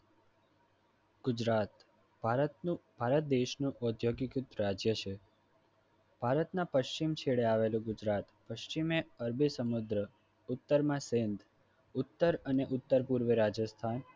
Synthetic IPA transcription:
ɡ̥ud͡ʒɾat̪ | b̥ʱaɾət̪nũbʱaɾət̪̚d̪eʃnũʔɔd̪ʱjoɡikut̪ɾad͡ʒjət͡ʃʰe | b̥ʱaɾət̪nãpəʃt͡ʃimt͡ʃʰeɭeaʋelũɡʊd͡ʒɾat̪pəʃt͡ʃimeəɾbʱisəmud̪ɾə | ʊt̪ːəɾmãsend̪ | ʊt̪ːəɾəneʔʊt̪ːəɾpuɾʋəɾad͡ʒəst̪ʰan

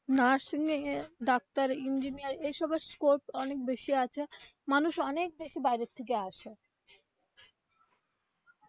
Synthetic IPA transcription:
naɾsiniɖɔk̚t̪aɾind͡ʑiniaɾejʃɔbeskoɾʈɔnek̚beʃiat͡ɕʰe | manuʃɔnek̚beʃibajɾet̪ʰːek̬eaʃe

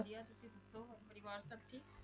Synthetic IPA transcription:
ɾijaːt̪ʊsĩːd̪ɐsoːpəɾiʋaːɾsəʈʈ̪ʰiː

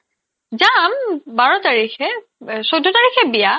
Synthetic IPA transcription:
zambaɹɔtaɹixɛ | sodʱɔtaɹixʰɛbija

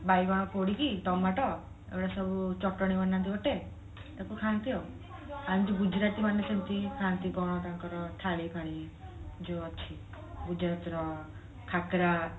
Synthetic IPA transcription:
bajbaɽ̃ɔkoɽikit̪ɔmaʈɔ | ḛwɽasɔbut͡ʃɔʈɔɽ̃imanːãnt̪ʰibɔʈe | ekukʰãnt̪io | añd͡ʒiɡud͡ʒɾat̪imanːesent̪ikʰant̪ikɔɽ̃ɔt̪aŋkɔɾɔt̪ʰalipaɽ̃i | d͡ʒoːt͡ʃʰi | ɡud͡ʒɾat̪ɾɔ | kʰakɾa

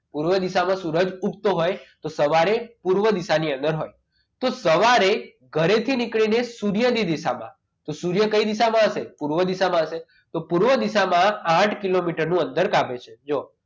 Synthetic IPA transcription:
puɾʋəd̪isamãsuɾəd͡ʒup̚t̪oɦojt̪osəʋaɾepuɾʋəd̪isaniə̃nd̪əɾɦoj | t̪osəʋaɾe | ɡʱəɾet̪ʰinikɭinesuɾjəd̪id̪isamã̰ | t̪osuɾjəkəid̪isamãəsepuɾʋəd̪isamãəʃe | t̪opuɾʋəd̪isamããʈʰkilomiʈəɾnũənd̪əɾkabʱet͡ʃʰed͡ʒo

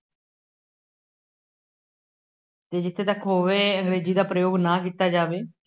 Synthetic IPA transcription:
t̪eːd͡ʒɪt̪ʰːeːt̪əkɦoːʋeːəŋɡɾeːziːd̪aːpɾəjoːɡnaːkiːt̪aːd͡ʒaːʋeː

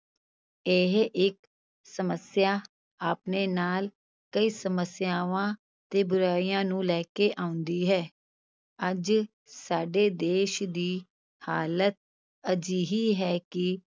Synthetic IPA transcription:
eɦʔɪk | səməsjaː | aːpneːnaːl | kəiːsəməsjaːʋãː | t̪eːbʊɾaːiːãːnũːlɛːkeːʔãːʊ̃nd̪iːɦɛː | əd͡ʒ | saːɖeːd̪eːʃd̪iː | haːlət̪̚ | əd͡ʒiːɦiːɦɛːkɪ

